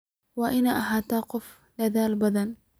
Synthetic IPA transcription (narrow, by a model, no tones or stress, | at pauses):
waʔɪnaʔaɦat̪aːqʊf | laðaːlbad̪an